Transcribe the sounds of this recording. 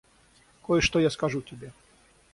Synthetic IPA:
kɔjɛʃʂt̪ɔjaskaʒut̪ʲɛbʲɛ

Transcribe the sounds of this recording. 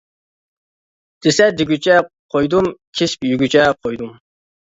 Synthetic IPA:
d̪̥ɪsɛd̪ɪɡʲyt͡ʃʰɛ | qʰojd̪umkʲʰespjyɡʲyt͡ʃʰɛqʰojd̪um

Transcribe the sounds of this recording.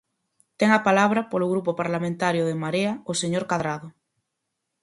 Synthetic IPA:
t̪eŋapalaβ̞ɾapoloɣ̞ɾupopaɾlamẽnt̪aɾjoð̞emaɾeaoseɲoɾkaðɾað̞o

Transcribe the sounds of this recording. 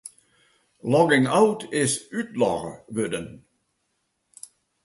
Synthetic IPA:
lɔɡɪŋawtɪsytlɔ̰ʁəʋødən

